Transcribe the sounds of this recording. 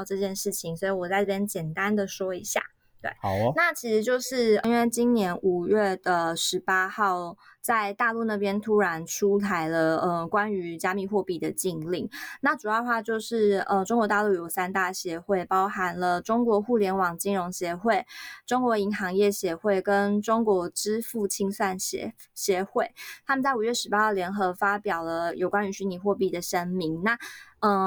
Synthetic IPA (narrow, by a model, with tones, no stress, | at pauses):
ʊʈ͡ʂɤ˥˧t͡ɕjɛ˥˧nʂɻ̩˥˩t͡ɕʰi˨˩ŋswɔ˧˥i˨˩wɔ˨˩t͡sa˥ɪʈ͡ʂjɛ˥nt͡ɕjɛ˨˩nt̪a˦nd̪ə˨ʂwɔ˥i˧˥ɕja̰˥˩ | t̪wḛ˥˩ɪna˥˩t͡ɕʰi˧˥ʂɻ̩˧˥t͡ɕjo˥˧ʊʂɻ̩˥˩˧i˥nwe˥˩ɪt͡ɕi˥nnjɛ˧˥nu˨˩ɥɛ˥˩d̪ə˩ʂɻ̩˧˥pa˥xɑ˥˩ʊt͡sa˥˧ɪt̪a˥˧lu˥˧na˥˩pjɛ˥nt̪ʰu˥ɻa˧˦nʈ͡ʂʰu˥t̪ʰa˧˥ɪlə˧ə˩kwa˦˥ny˧˥t͡ɕja˥mi˥˧˩xwɔ˥˧pi˨˩d̪ə˩t͡ɕi˥˧ŋli˥˩ŋna˥˩ʈ͡ʂu˨˩jɑ˥˩ə˧xwa˥˧t͡ɕjo˥˧ʊʂɻ̩˥˩ə˧ʈ͡ʂo˥ŋkwɔ˧˥t̪a˥˧lu˥˩jo˨˩ʊsa˥nt̪a˥˩ɕjɛ˧˥xwe˥˩ɪpɑ˥ʊxa˨˧˦nlə˧ʈ͡ʂʊ˥ŋkwɔ˧˥xu˥˩ljɛ˧˥nwɑ˨˩ŋt͡ɕi˥nɻʊ˧˥ŋɕjɛ˧˥˦xwe˥˩ɪʈ͡ʂo˥ŋkwɔ˧˥i˧˥ŋxɑ˧˥ŋjɛ˥˩ɕjɛ˧˥xwe˥˩ɪkə˦nʈ͡ʂʊ˥ŋkwɔ˧˥ʈ͡ʂɻ̩˥fu˥˩t͡ɕʰi˥ŋswa˥˩n̰ | ɕjɛ˨˥xwe˥˩ɪt̪ʰa˥mə˨t͡sa˥˩ɪu˨˩ɥɛ˥˩ʂɻ̩˧˥pa˥xɑ˥˩ʊljɛ˧˥nxɤ˧˥fa˥pjɑ˨˩ʊlə˦jo˨˩ʊkwa˦ny˧˥ɕy˧˥ni˧˥xwɔ˥˧pi˥˩d̪ə˩ʂə˦˥nmi˧˥ŋna˥˨ə˩